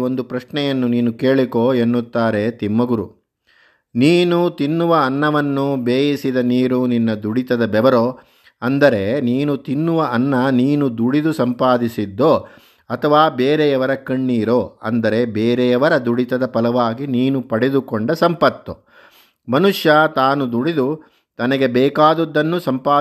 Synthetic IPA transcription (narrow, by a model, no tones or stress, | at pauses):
ond̪upɾɐʂɳɛjɐnːuniːnukeːɭikoːenːut̪ːaːɾe̞t̪imːɐɡuɾṵ | niːnut̪inːuʋɐːnːɐʋɐnːubeːjisid̪ɐniːɾuninːɐd̪uɽit̪ɐd̪ɐbɛʋɐɾoː | ɐnd̪ɐɾe̞niːnut̪inːuʋɐʔɐnːɐniːnud̪uɽid̪usɐmpaːd̪isid̪ːo̞ː | ɐt̪ʰɐʋaːbeːɾejɐʋɐɾɐkɐɳːiːɾoːɐ̰nd̪ɐɾe̞beːɾɛjɐʋɐɾɐd̪uɽit̪ɐd̪ɐpɐlɐʋaːɡiniːnupɐɽed̪ukoɳɖɐsɐmpɐt̪ːo | mɐnuʂjɐt̪aːnud̪uɽid̪u | t̪ɐnɐɡe̞bɛːkaːd̪ud̪ːɐnːusɐmpaː